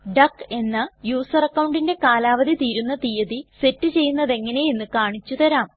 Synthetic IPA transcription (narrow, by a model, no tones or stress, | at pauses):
ɖɐkːe̞nːɐjuːsɐrɐkːɐwɳɖinde̞kaːlaːʋɐd̪it̪iːɾunːɐt̪ijɐðise̞tːɨt͡ɕe̞jːunːɐðe̞ŋːɐne̞jenːɨkaːɳit͡ɕːut̪ɐɾaːm